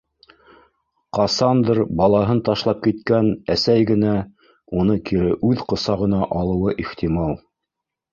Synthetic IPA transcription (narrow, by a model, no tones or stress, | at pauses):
qɑsɑnd̪ɾbɑlˠɑɦɤnt̪ɑʃlˠɑp̚kit̪kænæsæjɡɘ̆næ | unɤkʰiɾɘʔʉðqɤ̆sɑʁɤ̆nɑʔɑlˠɤ̆wɤʔiχt̪ʲimɑlˠ